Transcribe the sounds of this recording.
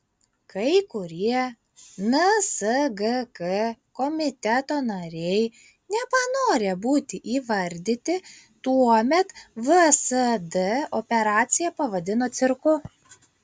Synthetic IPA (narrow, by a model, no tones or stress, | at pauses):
kɐɪkʊɾʲiɛ | nɐsɐɡɐkɐkɔmʲɪt̪ʲɛt̪oːnɐɾʲɛɪ | nʲɛpɐnoːɾʲebuːt̪ʲɪʔiːʋɐɾʲd̪ʲɪt̪ʲɪ | t̪uɔmʲɛt̪ʋɨsɐd̪ɛɔpʲɛɾɑːt̪sʲɪjɛpɐʋɐd̪ʲɪnoːt̪sʲɪɾkʊ